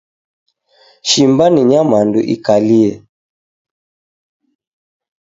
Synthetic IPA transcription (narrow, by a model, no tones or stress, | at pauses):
ʃimbaniɲamandṵʔḭkaliɛ